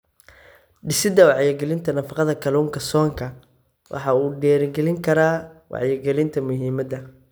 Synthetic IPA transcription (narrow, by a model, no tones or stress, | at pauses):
ɖɪsɪd̪ɐwɑʕjɛɡɛlɪnt̪ʰɐnɐfɑqɑðɐkʰɐluːŋkʰɐsɔːŋkʰɐ | wʔɑ̰ħɑuːɖɛːɾɡɛlɪŋkʰɐɾaːwɑ̰ʕjɛɡɛlɪnt̪ʰɐmʊɦiːmɐd̪ɐ